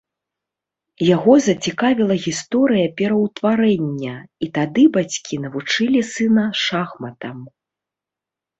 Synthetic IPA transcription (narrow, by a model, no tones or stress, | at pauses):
jaɣɔzɐt͡sʲikavʲilˠɐɣʲist̪ɔɾɨjɐpʲɛɾɐwt̪vaɾɛnʲːɐit̪ad̪ɨbat͡sʲkʲinɐvut͡ʂɨlʲisɨnɐʂaxmɐt̪ɐm